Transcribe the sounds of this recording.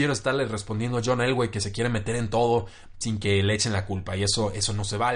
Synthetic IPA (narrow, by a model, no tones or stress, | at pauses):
je̞ɾo̞est̪aɾle̞respond̪jenoaʝo̞nelɣwejke̞se̞kje̞ɾe̞me̞t̪e̞ɾe̞nt̪o̞ðo̞ | siŋke̞leet͡ʃe̞nlakulpaie̞so̞ʔe̞so̞no̞se̞βal